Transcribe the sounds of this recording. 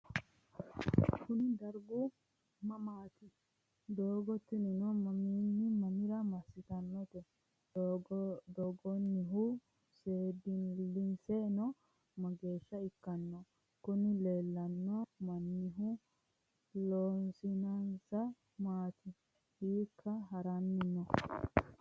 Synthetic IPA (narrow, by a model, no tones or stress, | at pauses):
kʊnɪd̪ɐɾɡʊ | mɐmaːt̪ɪ | d̪oːɡɔt̪ːɪnɛnɔmɐminːɪmɐmɪɾɐmɐsːɪt̪ɐnːɔt̪ɛ | d̪ɔɡɔnːɪɦʊ | seːd̪ɪnlɪnsɛnɔ | mɐɡe̞ːʃːɐɪkːɐnːɔ | kʊnɪleːlːɐnːɔmɐnːɪɦʊ | lɔnsɪnɐnsɐ | maːt̪ɪ | hiːkʰːɐɦɐɾɐnːɪnːɔ